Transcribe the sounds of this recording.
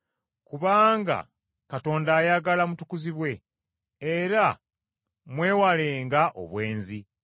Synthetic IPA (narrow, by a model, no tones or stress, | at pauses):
kuβaːŋɡa̰ | kato̞ːndaːjaɡalamutukuziβwe̞ | eɾa | mwe̞ːwale̞ːŋɡaʔo̞̰βwe̞ːnzi